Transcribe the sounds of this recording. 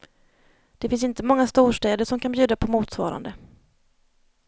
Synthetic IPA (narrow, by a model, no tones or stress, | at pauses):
d̪̥ɛfɪns̬ɪnt̪əmɔŋːast̪uːʂʈɛːd̪əʂɔmkʰanbjʉ̟ːd̪apʰɔmuːt̪svɑ̰ːɾa̰nd̪ə